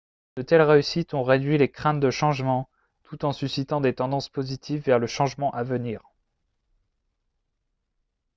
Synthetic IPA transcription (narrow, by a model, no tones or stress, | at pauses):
d̪̥ət̪ɛlʁeysit̪ɔ̃ʁed̪ɥilekχɛ̃t̪̚d̪əʃɑ̃ʒmɑ̃ | t̪ut̪ɑ̃sysit̪ɑ̃d̪et̪ɑ̃d̪ɑ̃spozit̪ʰivːɛʁləʃɑ̃ʒmɑ̃ʔavəniːʁ